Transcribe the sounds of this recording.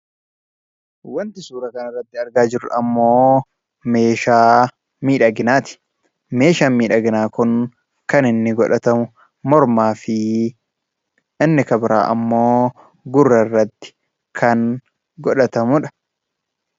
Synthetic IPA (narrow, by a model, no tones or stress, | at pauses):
wɐnt̪ɪsuːɾɐkɐnɪrːɐt̪ːɪɐɾɡaːd͡ʒɪɾʊᶑɐmːoː | me̞ːʃaː | miːᶑɐɡɪnaːt̪ɪ̥ | me̞ːʃaːnmiːᶑɐɡɪnaːkʊŋ | kɐnɪnːɪɡɔᶑɐt̪ɐmʊ | mɔɾmaːfɪ | ɪnːɪkɐbɪɾa̰ːʔɐmːo̞ː | ɡʊrːɐrːɐt̪ːɪ̥ | kʰɐŋ | ɡɔᶑɐt̪ɐmʊᶑɐ̥